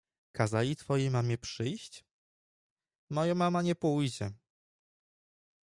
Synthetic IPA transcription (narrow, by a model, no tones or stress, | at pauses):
kazalʲit̪fɔjejmamʲɛpʂɘjɕt͡ɕ | mɔjamamaɲɛpujd͡ʑɛ